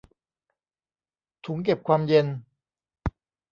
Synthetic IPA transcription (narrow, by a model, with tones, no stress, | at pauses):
t̪ʰu˨˩˦ŋke˨˩p̚kʰwaː˧mje˧n